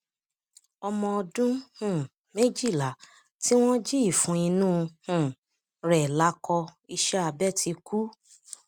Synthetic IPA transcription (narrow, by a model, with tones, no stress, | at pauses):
ɔ˧mɔ̃˧ɔ˧dũ˦hũ˦˨ | me˦d͡ʒi˦˨la˨˦ | ti˦w̃ɔ̃˦d͡ʒi˦i˦˨fũ˨˦i˧nũː˦˧hũ˦˨ | ɾɛ˨la˨˦kɔ˧i˧ʃɛ˦a˧bɛ˦ti˧ku˦